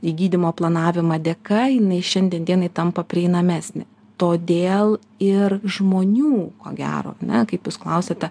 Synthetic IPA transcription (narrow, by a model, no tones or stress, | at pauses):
iːɡʲiːd̪ʲɪmoːplˠɐnɑːʋʲɪmɑːd̪ʲɛkɐjɪnɐɪʃʲɛnʲd̪ʲiɛnd̪ʲiɛnɐɪt̪ɐmpɐpʲɾʲɪɛɪnɐmʲæːsʲnʲɪ̰ | t̪oːd̪ʲeːlˠ | ɪrʒmoːnʲuːko̰ːɡʲæ̰ːɾo̰ːɐnʲɛkɐɪpjuːsklˠɐʊsʲet̪ʲɛ